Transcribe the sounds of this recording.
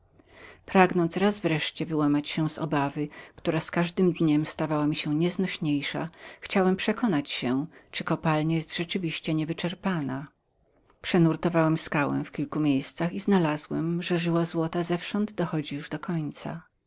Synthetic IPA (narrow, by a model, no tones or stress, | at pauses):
pɾaɡnɔnsɾazvɾɛʂt͡ɕɛvɘwamat͡ɕɕɛ̃zɔ̰bavɘkt̪uɾaskaʐd̪ɘmd̪ɲɛmst̪avawamʲiɕɛɲɛznɔɕɲejʂa̰xt͡ɕawɛmpʂɛkɔnat͡ɕɕɛt͡ʂɘkɔpalɲɛjɛst̪ʐ̥ɛt͡ʂɘvʲiɕt͡ɕɛɲɛvɘt͡ʂɛɾpana | pʂɛnuɾt̪ɔvawɛmskawɛ̰̃fkʲilkumʲjejst̪saxiznalazwɛmʐɛʐɘwazwɔt̪azɛfʂɔnd̪d̪ɔxɔd͡ʑijuʐd̪ɔkʰɔɲt̪sa̰